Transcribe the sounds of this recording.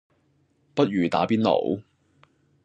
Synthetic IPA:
pɐ˥t̚jyː˨˩t̪a̰ː˨˥piː˥nlo̰˨˩˥w

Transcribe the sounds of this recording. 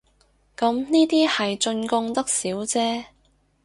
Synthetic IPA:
kɐ˨˥mniː˥t̪iː˥hɐ˨jt͡ʃɵ˧nkʊ˧ŋt̪ɐ˥k̚siː˨˥wt͡sɛː˥

